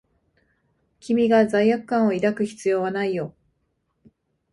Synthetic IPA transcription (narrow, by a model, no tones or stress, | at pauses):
kʲimʲiɡazaijakɯ̟̥kːãɰ̃o̞iɾakɯ̟çi̥t͡sɨjo̞ːβanaijo̞